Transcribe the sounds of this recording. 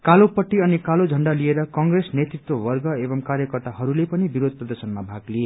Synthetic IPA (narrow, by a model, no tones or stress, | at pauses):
kalopʌʈːiʌnikalod͡zʱʌɳɖalieɾʌkʌŋɡresnet̪rit̪wʌbʌrɡʌebʌmkaɾjʌkʌrt̪aɦʌɾulepʌnibiɾod̪ʱprʌd̪ʌsʌnmabʱaɡlie